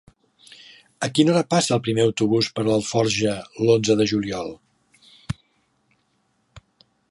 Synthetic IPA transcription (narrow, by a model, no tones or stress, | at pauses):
əkinoɾəpasəlˠpɾimeəwt̪uβuspəɾləlˠfɔɾʒəlonzəðəʒuliɔlˠ